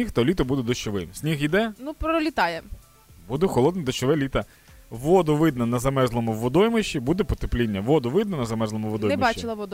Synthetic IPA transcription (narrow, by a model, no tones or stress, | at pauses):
nʲixt̪ɐlʲit̪ɐbud̪ɛd̪ɐʃoʋɪmsʲnʲixid̪ɛnupɾɔlʲit̪ɑjɛ | bud̪ɛxɔlˠɔd̪nɐd̪ɐt͡ʃɔʋɛlʲit̪ɐ | ʋɔd̪ʊʋɪd̪nɐnɐzɐmɛzlˠɔmʊʋʋɔd̪ɔjmɪʃibud̪ɛpɔt̪eplʲinʲːɐʋɔd̪ʊʋɪd̪nɐnɐzɐmɛzlˠɔmʊʋɔd̪ɔjɛmbɑɪlˠɐʋɔd̪